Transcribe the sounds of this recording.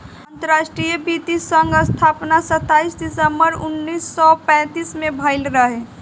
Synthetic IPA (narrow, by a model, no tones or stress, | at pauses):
ə̃nt̪əɾaʃʈɾijəbit̪isə̃ŋɡəst̪ʰapnasət̪ːaisd̪ɪsəmbəɾʊnːiːsːɔpɛ̃ːt̪iːsmẽbʱəɪlɾəɦe